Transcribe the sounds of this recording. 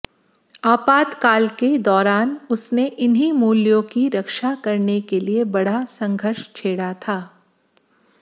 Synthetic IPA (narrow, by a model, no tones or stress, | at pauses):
aːpaːt̪kaːlked̪ɔːɾaːnʊsneʔɪnɦimuːljõkiɾɐkʃakɐɾnekeliebɐɽ̤asɐ̃ŋɡʱəɾʃt͡ʃʰeːɽat̪ʰaː